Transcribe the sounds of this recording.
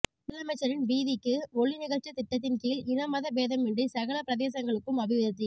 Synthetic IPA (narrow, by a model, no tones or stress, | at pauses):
pɪðɐɐmɐɪt͡ʃːɐɾɪnʋiːðɪkːɯɔɭːinɪɣɐt͡ʃɐt̪ɪʈːɐt̪̬ːɪnkiːlɪnɐmɐðɐbeːðɐmɪɳɖɯsɐɣɐɭɐpɪɾɐðeːs̬ɐŋɡɐɭɯkːɯmɐʋɪʋɐðɐt̪ːɯ